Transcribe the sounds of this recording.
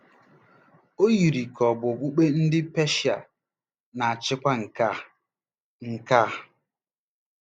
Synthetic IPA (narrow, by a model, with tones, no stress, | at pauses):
o˦ji˨ɾi˨kʰɔ˨bʊ˨bu˦k͡pe˦n̩˦dɪ˦pe˦ʃa˨ | na˨a˨t͡ʃɪ˦kʷa˦ŋ̩˨ka˦ | ŋ̩˨ka˦˨